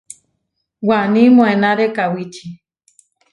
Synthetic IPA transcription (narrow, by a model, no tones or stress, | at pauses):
wanĩmõenaɾekawitʰi